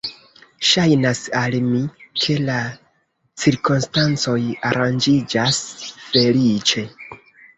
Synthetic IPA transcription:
ʃajnasalmikʰe̞la | t͡siɾkomstant͡so̞jaɾand͡ʒid͡ʒasfe̞lit͡ʃe̞

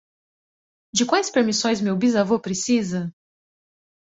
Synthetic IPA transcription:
d͡ʒɪkwajspeɾmisõj̃smewbizavopɾesizɐ

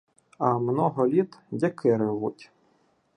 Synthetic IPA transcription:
ɐmnɔɦɔlʲit̪dʲɛkʰɪɾɪʋutʲ

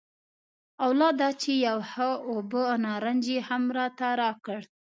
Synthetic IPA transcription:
awlɑd̪ɑt͡ʃejawhaobəanɑɾand͡ʒehamɾɑt̪aɾɑkəɽ

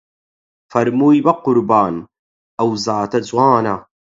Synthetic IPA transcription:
fɐɾmujbɐqʊɾbaːn | ʔɐwzaːt̪ɐzwaːna

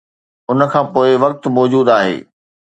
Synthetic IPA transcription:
ʊnə̆kʰãːpoːɪʋɐk̚t̪mɔːd͡ʑuːd̪aːɦḛː

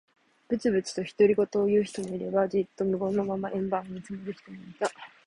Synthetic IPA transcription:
b̥ɯ̟t͡sɨbɯ̟t͡sɨ̥t̪o̞çi̥t̪o̞ɾʲiɡo̞t̪o̞ːjɯ̟ːçi̥t̪o̞moiɾe̞bad͡ʑit̪ːo̞mɯ̟ɡo̞no̞mamaʔẽ̞mbanɲit͡sɨmeɾɯ̟çʲi̥t̪omoit̪a

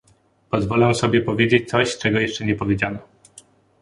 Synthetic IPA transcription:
pɔzvɔlɛw̃sɔbʲjɛpɔvʲjed͡ʑet͡ɕt̪sɔɕt͡ʂɛɡɔjɛʂt͡ʂɛɲɛpɔvʲed͡ʑanɔ

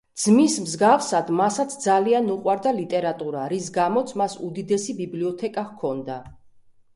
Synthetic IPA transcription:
d̪z̥mismzɡafsad̪masat̪sʰd̪zalianuqʼwaɾd̪alit̪ʼɛɾat̪ʼuɾaɾis̬ɡamɔt̪sʰmasud̪id̪ɛsibibliɔt̪ʰɛkʼaʁkʰɔnd̪a

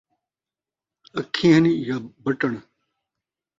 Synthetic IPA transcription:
əkʰĩːɦənijaːbəʈəɳ

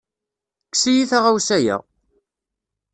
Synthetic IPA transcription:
ksijiθaʁawsæjə̰ʁ

